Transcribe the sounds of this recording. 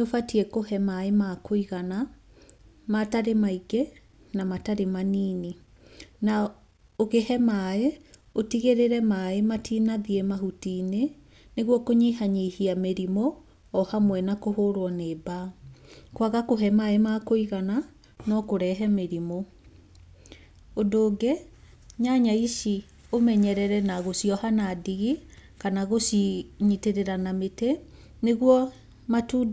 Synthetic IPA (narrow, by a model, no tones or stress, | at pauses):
neofatiɛkohɛmaemakoiɣana | mataɾemaiɡe | namataɾemaniːni | na | oɣehɛmae | otiɣeɾeɾɛmaematiːnaðiemaɦutiːne | neɣwɔkoɲiɦaɲehiameɾimoː | hamwɛnakohoɾwɔneːba | kwaɣakoɦɛmaemakoiɣana | nɔkoɾɛɦɛmeɾimo | odoːɡɛ | ɲaɲaiʃi | omɛɲɛɾɛɾɛnaɣosiɔhanadiɣikanaɣosɲiteɾeɾanamete | neɣwɔ | matuː